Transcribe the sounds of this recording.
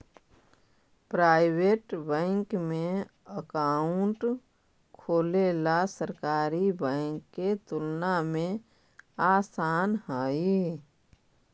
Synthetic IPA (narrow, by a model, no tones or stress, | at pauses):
pɾaːɪweʈbɛ̃ŋkmẽəkaːʊɳʈ | kʰoːlelasəɾkaːɾibə̃ɪŋkːet̪ʊlnamẽ | aːsaːnhaːi